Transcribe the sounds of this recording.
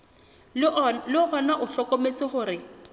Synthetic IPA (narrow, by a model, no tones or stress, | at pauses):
lɪhɔnaʔʊɬɔkɔmet͡sɪχʊrɪ